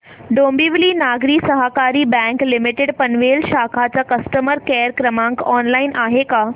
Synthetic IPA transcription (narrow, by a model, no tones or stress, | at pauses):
ɖombiʋliːnaɡɾiːsəɦakaɾiːbɛ̃ŋklimiʈeɽpənʋelɕakʰat͡ɕakəsʈəməɾkɛəɾkɾəmãŋkɔnlainʔaɦeka